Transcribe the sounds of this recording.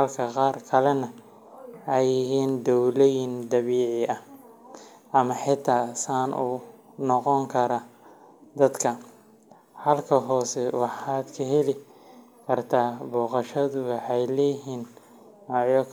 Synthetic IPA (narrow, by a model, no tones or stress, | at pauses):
hɐlkʰɐqɑːrkʰɐlɛnɐ | ɛjɪɦiːnd̪ɔwlɔjɪnd̪ɐβiːʕɪʔɐ | ʔɐmɐħɪt̪ʰaːsaːnʔṵ | nɔqɔŋkʰɐɾɐ | d̪ɐd̪kʰɐ | hɐlkʰɐɦɔːsɛwɑħaːd̪kʰɐɦɛlɪ | kʰɐrt̪ʰaːbɔːqɑʃɐðʊwɑħɛjlɛɦiːn | wɑʕjɔkʰ